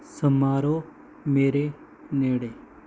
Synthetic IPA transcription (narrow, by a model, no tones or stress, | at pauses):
səmaːɾo | meːɾe | neːɽe